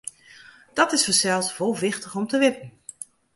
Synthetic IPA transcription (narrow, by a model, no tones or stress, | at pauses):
d̥ɑtɪsfəɹsɛlˠsvolˠvɪχtəχɔmtəʋɪpən